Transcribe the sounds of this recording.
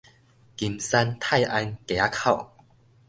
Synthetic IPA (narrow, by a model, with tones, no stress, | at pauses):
ki˧˩msa˧nt̪ʰa˥˩jʔa˧nkɛ˨a˦kʰa˥˩w